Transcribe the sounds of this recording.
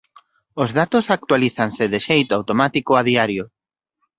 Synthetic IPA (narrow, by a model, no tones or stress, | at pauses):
ʊzðat̪osak̚t̪waliθansɪðɪʃejt̪oawt̪omat̪ikoaðiaɾjo